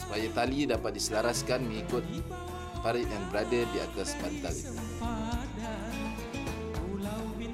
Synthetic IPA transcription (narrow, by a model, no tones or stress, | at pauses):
su̥pajat̪alidapat̪̚disəlaɾaskanməŋikʊt̪̚ | paɾiʔɛnbɾadədia̰t̪asbaɾit̪alḭ